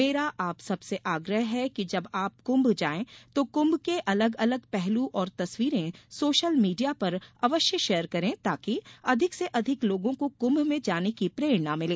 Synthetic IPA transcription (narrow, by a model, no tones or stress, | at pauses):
meːɾaʔaːpsɐbseʔaːɡɾəɦɦɛkid͡ʒɐbaːp̚kʊ̃mbʱd͡ʒaːẽt̪okʊ̃mbʱkeʔɐləɡɐləɡpɛɦluʔɔːɾt̪ɐswiːɾẽsoːʃəlmiːɖijapɐɾɐʋəʃjəʃɛːəɾkɐɾẽt̪aːkiɐd̪ʱɪkseʔɐd̪ʱɪkloːɡõkokʊ̃mbʱmẽd͡ʒaːnekipɾeːɽnamɪlẽː